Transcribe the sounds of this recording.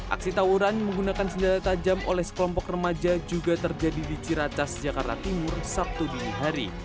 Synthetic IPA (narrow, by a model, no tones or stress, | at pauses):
ʔa̰k̚sit̪auɾanməŋɡunakansəɲd͡ʒat̪at̪ad͡ʒamolɛhsə̥kəlɔmpɔkrəmad͡ʒad͡ʒuɡat̪ərd͡ʒadidit͡ʃiɾat͡ʃasd͡ʒakart̪a̰t̪imʊrsap̚t̪uduniɦaɾi